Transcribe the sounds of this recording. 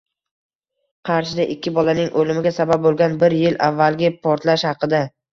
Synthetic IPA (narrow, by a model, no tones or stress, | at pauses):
qʰɑɾʃɪd̪aʔɪkʲːɪbɒlanɪŋʔolɪmɪɡʲasabap̚bolˠɡʲanbɪɾjɪlʔavːalˠɡʲɪpʰɒɾt̪laʃhɑqɨd̪a